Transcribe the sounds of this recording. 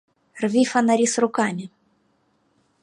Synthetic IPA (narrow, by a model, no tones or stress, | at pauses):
rvʲifɐnɐɾʲisrʊkamʲɪ